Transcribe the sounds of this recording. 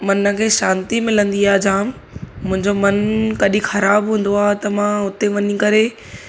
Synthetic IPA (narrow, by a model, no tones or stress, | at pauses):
mɐnə̆kʰeːʃãːnt̪imɪlə̃nd̪iaːd͡ʑãːm | mʊ̃ɦɪ̃ɲd͡ʑomɐnkɐɗĩxɐɾaːbɦũːn̆d̪oaːɦt̪ɐmãʊt̪eʋɐɲikɐɾe